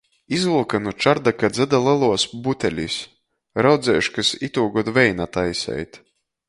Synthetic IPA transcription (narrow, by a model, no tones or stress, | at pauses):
izulˠkanut͡ʃaɾd̪akad̪zʲɛd̪alˠalˠuɔsbut̪ʲɛlʲis | ɾawd̪zʲɛːjʃkasit̪uːɡɔt̪vɛjnat̪ajsʲɛ̰jt̪